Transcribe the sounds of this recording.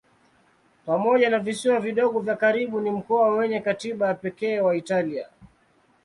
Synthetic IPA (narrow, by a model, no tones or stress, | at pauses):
pamɔʄanavisiwaviɗɔɠɔvjakaɾiɓunim̩kɔwawɛɲɛkatiɓajapɛkɛːwaitalia̰